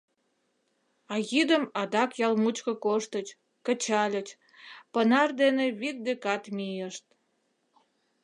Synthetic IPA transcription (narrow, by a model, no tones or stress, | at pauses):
ɑɣid̪əmɑd̪ɑkjɑlmut͡ɕkəkoʃt̪ət͡ɕ | kət͡ɕɑlʲət͡ɕ | pənɑrd̪eneβit̪̚d̪ekɑt̪mijəʃt̪̚